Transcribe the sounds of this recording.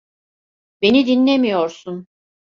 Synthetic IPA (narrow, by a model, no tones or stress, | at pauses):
be̞nid̪inlʲe̞mijo̞ɾsun